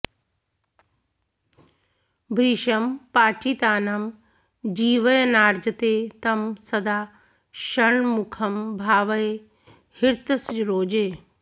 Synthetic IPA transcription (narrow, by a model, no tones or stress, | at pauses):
bʱɾiːʃəmpaːt͡ɕit̪aːnɐm | d͡ʑiːʋəjnaːɾd͡ʑət̪et̪ɐmsɐd̪aː | ʃɐɽ̃mʊkʰɐmbʱaːʋəe | hɪɾt̪əsɾoːd͡ʑeː